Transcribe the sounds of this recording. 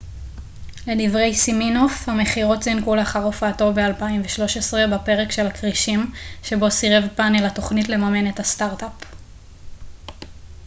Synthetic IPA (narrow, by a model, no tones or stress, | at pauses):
le̞divʁe̞jsiminofhame̞χiʁo̞tzinkuleaχaʁofaːto̞be̞alpaimveʃlo̞ʃesʁebape̞ʁekʃe̞lakʁiʃimʃe̞bo̞siʁevpanelato̞χnitle̞mame̞ne̞thastaʁtap